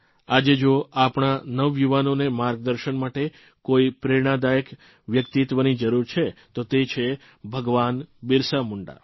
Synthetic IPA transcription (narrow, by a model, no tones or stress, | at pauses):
ad͡ʒed͡ʒoapɳ̃anəʋjuʋanonemaɾɡ̚d̪əɾʃənmaʈe | koipɾeɾɽ̃ad̪ajək | ʋjəkt̪it̪ʋənid͡ʒəɾuɾt͡ʃʰet̪ot̪et͡ʃʰe | bʱəɡʋanbɪɾsamuɳɖa̰